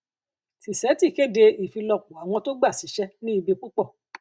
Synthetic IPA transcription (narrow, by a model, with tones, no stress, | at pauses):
ti˨sɛ˨˦ti˦˨ke˦de˧i˨fĩ˧lɔ˧˨k͡pũ˨a˨˦˨w̃ɔ̃˧to˦ɡ͡ba˦˨si˨˦ʃɛ˦nĩ˦i˧bi˧k͡pu˦k͡pɔ˦˨